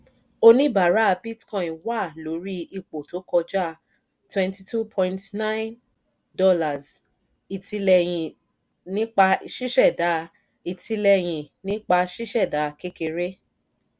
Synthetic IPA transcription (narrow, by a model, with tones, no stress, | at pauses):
o˦˧nĩ˦ba˨ɾa˦a˧bi˦tkɔ̃˨ĩ˨wa˦˨lo˨˦ɾi˦i˧k͡po˨to˨˦kɔ˧d͡ʒa˦˨ | twɛ̃˧nti˧tʰu˦pʰɔ̃˧ĩntnã˦ɪ̃˦n | dɔ˦la˨z | i˨ti˧lɛ˧jĩ˨ | nĩ˦k͡pa˧ʃi˦ʃɛ˦˨da˨˦ | i˨ti˧lɛ˧j̃ĩ˨nĩ˦k͡pa˧ʃi˦ʃɛ˦˨da˨˦˧ke˦ke˧ɾe˦